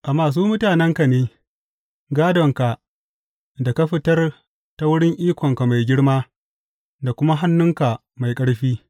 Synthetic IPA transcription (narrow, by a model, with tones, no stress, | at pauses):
ʔa˨maː˨s̬uː˦mʊ˦taː˨nɛ˦ŋka˨neː˦ | ɡaː˦dɔ˨ŋka˨ | da˨ka˦ɸɪ˦tɐ˦r | ta˦wʊ˦ɽɪ˦ŋʔiː˦kʷɔ˨ŋka˨ma˨jɡʲɪ˦ɽmaː˦ | da˨kʷʊ˦ma˦ɦa˦nːʊ˦ŋka˨ | ma˨jkʼɐ˦ɽɸiː˦